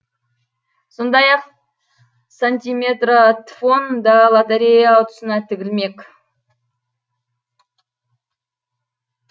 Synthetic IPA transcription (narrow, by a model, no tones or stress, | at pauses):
so̞nd̪ɑjɑq | sanʲt̪ʲijmʲet̪rat̪fo̞nd̪ɑlˠat̪eɾʲejaːwt̪ə̥sənɑt̪ʰɪɡʲɪlme̞kʲ